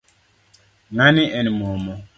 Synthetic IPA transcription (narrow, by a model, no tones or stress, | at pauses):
ŋaniʔɛnimɔmɔ